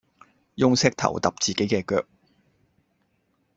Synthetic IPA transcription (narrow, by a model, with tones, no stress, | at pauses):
jʊ˥ŋsɪ˥k̚t̪ʰɐ̰˨˩wt̪ɐ˨p̚t͡siː˨ke˨˥jkɛː˧kœ̰ː˧k̚